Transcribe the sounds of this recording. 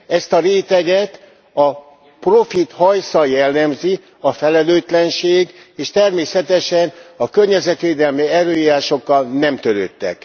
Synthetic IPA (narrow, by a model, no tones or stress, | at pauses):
ɛst̪ɒɾeːt̪ɛɡɛt̪ | ɒ | pro̞fit̪hɒjsɒjɛlːɛmzi | ɒfɛlɛløːt̪lɛnʃeːɡ | eːʃt̪ɛrmeːsɛt̪ɛʃɛnɒkørɲɛzɛt̪ʋeːd̪ɛlmiɛɾøːjiɾaːʃo̞kːɒlnɛmt̪øɾø̰ːt̪ːɛ̰k